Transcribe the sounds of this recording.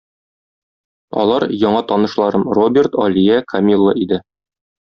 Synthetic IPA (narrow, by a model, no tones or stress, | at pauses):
ɒ̰lˠɑɾjɒɴɑt̪ɒnɤ̆ʃlˠɑɾɤmrobʲɪrt̪ɒlʲijækʰɐmʲilˠːə̰ʔid̪ɘ